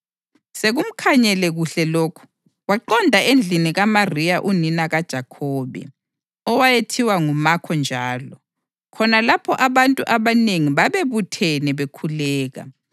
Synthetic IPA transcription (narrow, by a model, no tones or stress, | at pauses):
seɣum̩kʰaɲɛlɛɣuɬɛloːkʰu̥ | ɣwaǃɔndʱaend͡ɮʱiniɣamarijaʔuninaɣad̥ʒ̥ʱakʰɔːβɛ̰ | ɔwajetʰiwaŋumakʰɔnd͡ʒʱaːlɔ | kʰɔnalapʰɔʔaβantʼuʔaβaneŋiβaβeβutʰɛnɛβekʰulɛːɣa̰